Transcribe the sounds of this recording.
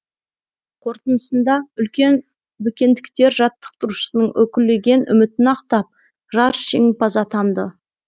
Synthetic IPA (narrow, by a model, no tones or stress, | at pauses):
qʰo̞ɾt̪ənəsənd̪ɑʏlkʲe̞n | bɪkʲe̞nd̪ɪkt̪e̞ɾʒɑt̪ːə̥q̚t̪əɾuʃə̥sənəɴwɵkʲɪlːe̞ɡʲe̞nʏ̰mɪt̪ɪnɑqt̪ɑp̚ | ʒɑɾʃiŋpʰɑzɑt̪ʰɑnd̪ə